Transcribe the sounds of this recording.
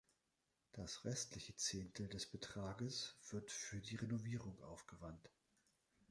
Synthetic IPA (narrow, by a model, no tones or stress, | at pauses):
d̥asʁɛstlɪçət͡seːntl̩dɛsb̥ətʁ̥aːɡəsv̥ɪɐtfyːɐdiːʁenoviːʁʊŋʔa̰ʊfɡ̥əvant